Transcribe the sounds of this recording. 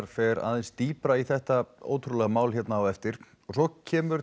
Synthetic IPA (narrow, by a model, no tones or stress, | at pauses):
ɾ̥fɛɾa̰ːðɛnst̪iːpɾaiθɛht̪ao̰ːwt̪ʰɾulɛɣamaːwlçɛt̪naːwɛft̪ɪɾ̥ | ɔɣsɔcʰɛːmʏɾ